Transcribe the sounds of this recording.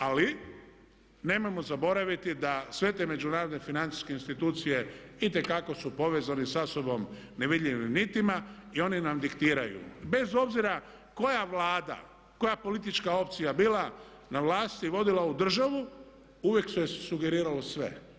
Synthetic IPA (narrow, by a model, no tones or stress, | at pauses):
ali | ne̞ːmo̞jmo̞zabo̞ɾaʋit̪id̪asʋe̞t̪e̞me̞d͡ʒunaːɾo̞d̪nefinant̪i̥skeinst̪it̪uːt̪sije̞it̪e̞kako̞supo̞ʋe̞zanisaso̞bo̞m | ne̞ʋid̪ʎʲiʋimnit̪ima | io̞ninamd̪ikt̪iːɾajṵbe̞zo̞bziɾa | ko̞jaʋlaːd̪a̰ | ko̞japo̞lit̪it͡ʃkao̞pt̪sijabila | naʋlaːst̪iʋo̞d̪ilaud̪r̩ʒaʋu | uʋjeksujesuɡe̞ɾiːɾalosʋe̞̰